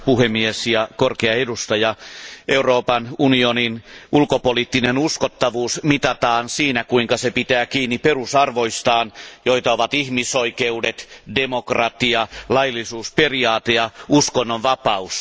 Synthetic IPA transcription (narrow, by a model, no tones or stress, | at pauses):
puhemːiesjɑkorkeɑedust̪ɑjɑʔeuroːpɑnunioninulkopoliːt̪ːinenuskot̪ːɑʋuːsmit̪ɑt̪ɑːnsiːnækuiŋkɑsepit̪æːkiːnːiperusɑrʋoist̪ɑːnjoit̪ɑoʋɑt̪ihmisoikeudet̪demokrɑt̪iɑlɑjlːˑisuːsperiɑːt̪ejɑuskonːoʋʋɑpɑus